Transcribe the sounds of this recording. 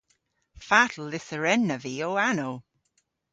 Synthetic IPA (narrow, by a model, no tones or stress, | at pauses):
fatʰl̩ˠɪθəɹɛnəviːoanow